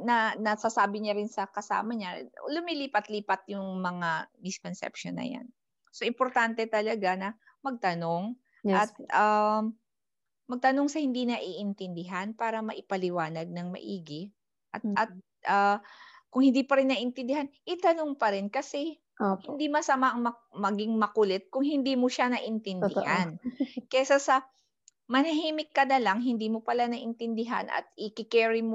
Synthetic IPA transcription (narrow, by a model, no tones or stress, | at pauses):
nɐnɐsasaːbɪɲaɾɪnsɐkɐsa̰ːmɐɲalʊmiliːpɐt̪liːpɐt̪̚jʊŋmɐŋamɪskonsɛ̰pʃo̰nːɐ̰ja̰n | so̞ʔɪmpoɾt̪ant̪ɛt̪ɐlɐɡanɐ | mɐɡ̚t̪ɐnoŋ | ɐt̪̚am | mɐɡ̚t̪ɐno̞ŋsɐhɪnd̪iːnɐʔiːʔɪnt̪ɪnd̪ɪɦanpaːɾɐmɐʔɪpɐlɪwaːnɐɡ̚nɐŋmɐ̰ʔiːɡɪ | ʔɐt̪ʔɐt̪̚ | ʔakʊŋhɪnd̪iːpɐɾɪnːɐʔɪnt̪ɪnd̪ɪɦanʔɪt̪ɐnoŋpɐɾɪnkɐsɛ | ohɪnd̪imɐsɐmaʔɐŋmɐ | mɐɡɪŋmɐkʊlɛt̪̚kʊŋhɪnd̪iːmoʃanɐʔɪnt̪ɪnd̪ɪ̰hankɛsasɐ | mɐnɐɦiːmɪkːɐnɐlɐŋɦɪnd̪iːmopɐlanɐʔɪnt̪ɪnd̪ɪɦa̰nʔɐ̰t̪̚ɪkɪkɛːɹɪmo